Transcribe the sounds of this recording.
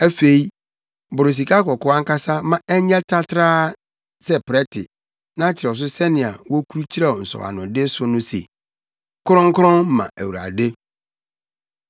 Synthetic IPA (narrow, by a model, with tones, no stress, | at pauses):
æ˦fe˨i˦ | bʊ˨ɾɪ˨s̬i˨kʰa˦kɔ˨kɔ˦a˦ŋ̩˦ka˦sa˦mã˦ɛ˦ɲɛ̃˦tʰa˦tʰɾaː˦ | sɛ˦pɪ˨ɾɛ˦tʰɪ̰˨ | nã˦t͡ɕʰɪ˨ɾɛ˨ɔ˨s̬ʊ˦sɛ˦nɪ̃˨a̰˨wɔ˦kʰu˦ɾu˦t͡ɕʰi˦ɾɛ˦ɔ˨n̩˨sɔ̰˨wa̰˨nʊ̃˨dɪ˦sʊ˦nʊ̃˦sḛ˨ | kʰʊ˦ɾɔ̃˦ŋ̩˦kʰʊ˦ɾɔ̃˦n˦mã̰˨ʔæ̰˨wu˨ɾa̰˨de˦